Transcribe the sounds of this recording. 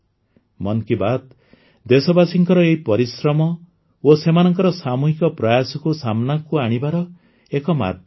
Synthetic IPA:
mɔnkibat̪ | d̪esɔbasiŋkɔɾɔeɦipɔɾisɾɔmɔ | osemanɔŋkɔɾɔsamuɦikɔpɾajasɔkusamnakuaɽ̃ibaɾɔ | ekɔma̰d̪ʱj

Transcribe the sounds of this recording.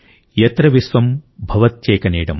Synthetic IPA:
jɐt̪ɾɐʋisʋɐmbʱɐʋɐt̪̚t͡ʃeːkɐneːɽɐm

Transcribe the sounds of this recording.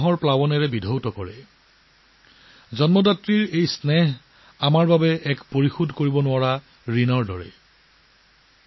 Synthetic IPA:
ɦɔɹplawɔnɛɹɛbidʱowtɔkɔɹɛ̰ | zɔnmɔdatɹiɹejsnɛɦ | amaɹbabɛʔɛkpoɹixudʱkoɹibɔnʊwaɹa | ɹinɔɹdɔɹɛ̰

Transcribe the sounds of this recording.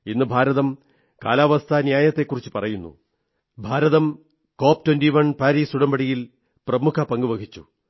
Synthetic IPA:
inːɨbʱaːɾɐðɐm | ka̰ːlaːʋɐst̪ʰɐnjaːjɐt̪ːe̞kːurit͡ɕːɨ̥pɐrɐjunːṵ | bʱaːɾɐðɐm | ko̞ːp̚twɐndiʋɐɳpaːɾiːsuɽɐmbɐɽijil | prɐmukʰɐpɐŋɡuʋɐɡʱit͡ɕːṵ

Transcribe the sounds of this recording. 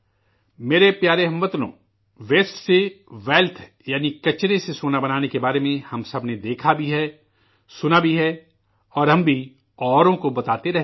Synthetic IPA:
meːɾepjaːɾeɦɐ̃mʋət̪lõ̰ː | ʋeːsʈseʋɛːlt̪ʰ | jaːnikɐt͡ʃɾesesoːnabɐnaːnekebaːɾemẽhɐmsɐbʱned̪eːkʰabʱiɦɛ | sʊnabʱiɦɛ | ɔːɾɦɐ̃mbʱi | ɔːɾõkobɐt̪aːt̪eɾɛɦ

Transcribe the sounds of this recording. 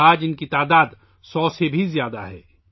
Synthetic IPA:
aːd͡ʒɪnkit̪aːd̪aːd̪ | sɔːsebʱizjaːd̪a̰ɦɛ̰ː

